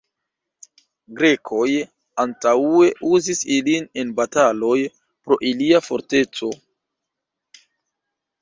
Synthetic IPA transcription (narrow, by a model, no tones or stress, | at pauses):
ɡɾe̞kʰo̞j | antaue̞ʔuzisiline̞nbatalo̞j | pɾo̞ʔiliafo̞ɾte̞t͡so̞